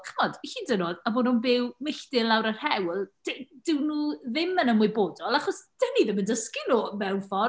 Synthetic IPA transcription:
χɔdɬiːdənɔðaboːnunbɪwmɪɬdɪlˠawɾər̥hɛwlˠd̥ɪd̥ɪwnuːðɪmənəmwʊɨboːdɔlˠaχɔsd̥əniðɪməndəskɪnɔmɛwnfɔ

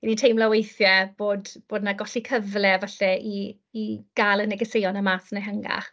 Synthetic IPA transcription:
initʰejmlawejθjɛb̥oːdb̥oːdnaɡɔɬikʰəvlɛvaɬɛiː | ɡ̥alˠənɛɡɛsejɔnamaːsneɦəŋa̰

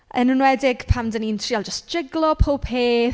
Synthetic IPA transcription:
ənənwɛdɪɡ̥pʰamdənintʰriːalˠd͡ʒəstd͡ʒ̥ɪɡlˠɔpʰopʰeː

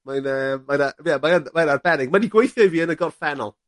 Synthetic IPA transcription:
manəːanabiamaanmanarbɛɾɪɡ̚maniɡwejθjɔviːənəɡɔrfɛnɔ̰lˠ

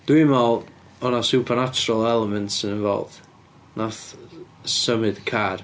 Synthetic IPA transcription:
d̥wimɔlˠ | ɔnasupʰənat͡ʃʊɾəlˠɛlˠɛmɛntsɪnə̃nvɔ̰lˠd̥ | naθ | səmɨd̥kʰar

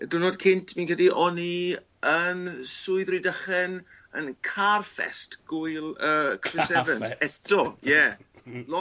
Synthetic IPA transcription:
dʊnoːdkʰɪntʰviːnkʰədiʔɔni | ənsʊɨðridəχɛn | ə̰nkʰarfɛ̰stɡ̥ʊjlˠəkʰrɪsɛvəntɛtʰɔjɛ | lɔ

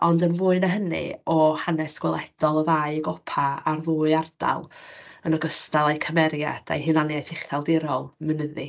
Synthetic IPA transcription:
ɔndənvuːɨnaɦənɨ̰ɔhanɛsɡ̥wɛlˠɛd̥ɔlˠɔðaɨɡɔpʰaarðuːɨard̥a̰lˠənɔɡəstalˠajkʰəmɛɾja̰d̥a̰jɦɨnanjajθɪχθalˠdɪɾɔlˠmənəði

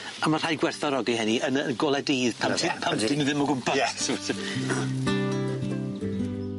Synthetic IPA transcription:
amar̥ajɡwɛrθɔɾɔɡiɦɛniənənɡolˠɛdiːð̥pʰapʰamdɪniðɪmɔɡʊmpʰajɛsɪvɔsɪ

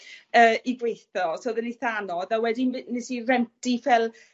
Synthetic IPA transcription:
əːiɡwejθɔsoːðəniθanɔðawɛdinɪsirɛntifɛlˠ

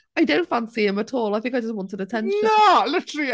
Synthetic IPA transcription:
aɪdõʊ̃ntfãnsiɪ̃mətʰɔːlˠaɪθɪ̃ŋkaɪd͡ʒəstwɔ̃ntɪɾətʰɛ̃nʃnə̃ɔlɪtəɹ

